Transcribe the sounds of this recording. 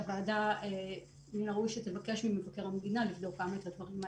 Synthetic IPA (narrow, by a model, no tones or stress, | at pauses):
vaːdae | ninaʁuʃet̪evake̞ʃmimevake̞ʁamd̪inalifdo̞kamaet̪ad̪vɐʁima